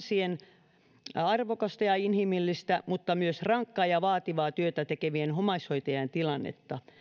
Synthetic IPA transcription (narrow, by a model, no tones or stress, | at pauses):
sien | ɑrʋokɑst̪ɑjɑinhimilːist̪æmut̪ːɑmyøsrɑŋkːɑːjɑʋɑːt̪iʋɑːt̪yøt̪æt̪ekeʋienhomɑishoit̪ejɑnt̪ilɑnːḛt̪ːɑ